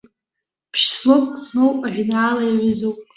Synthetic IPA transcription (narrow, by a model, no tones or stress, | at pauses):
pʰʃslopʼsmowpʼaʕᶣnaːlajaʕʷɪzowpʼ